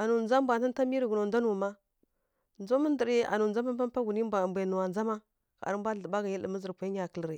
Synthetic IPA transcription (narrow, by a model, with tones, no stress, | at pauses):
a˨nu˨d͡za˦m˦bʷa˨a˦n˦a˦mi˦ɾi˨ɡu˨no˨da˦nu˨ma˦ | n˦o˦mə˦ndə˨ɾi˦a̰˨nu˨nd͡za˦ma˦m˦pa˦m˦pa˦ɡu˨ni˦ba˨mbʷe˨nu˨wa˨nd͡za˦ma˦ | ka̰˨ɾə˦m˦bʷa˦ɬə˨ba˦ɡa˨ji˦lə˨mə˦zə˨ɾkʷa˨˦i˦ɲa˨kə˨lɾi˨